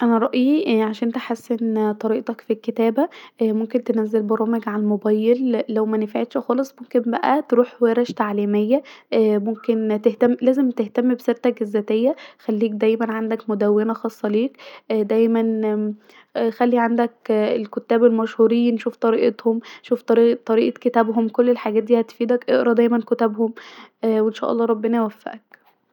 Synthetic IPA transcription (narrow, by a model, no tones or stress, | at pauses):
ʔænæɾˤɑʔʔiːʕaʃænʔent̪æħasːent̪ˤɑɾiːʔt̪ˤɑkfilket̪æːbæmomkent̪enæzːelboɾˤɑːmeɡʕaælmobæːjelːæwmænefʕet̪ʃxɑːlesˤmomkembæʔæt̪ɾuːħweɾæʃt̪aʕliːmejːæmomkent̪eht̪æmːlæːzemt̪eht̪æmːibeseɾt̪ækezːæːt̪ejːæxælːiːk̚d̪æjmænʕand̪ækmod̪æwːenæxɑːsˤːɑleːkd̪æjmæn | xælːiʕand̪ækelkot̪ːæːbelmæʃhuːɾiːnʃuːft̪ˤɑɾiːʔet̪homʃuːft̪ˤːt̪ˤɑɾiːʔɑket̪æbhomkolːelħaɡæːt̪̚d̪iːhæt̪fiːd̪ækʔeʔɾˤɑd̪æjmænkot̪æbhomwenʃæ̰ːʔɑlˤːɑːɾˤɑbːenæwæfːæ̰ʔæk